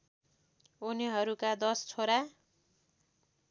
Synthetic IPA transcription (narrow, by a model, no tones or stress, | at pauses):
uneɦʌɾukad̪ʌst͡sʰoɾa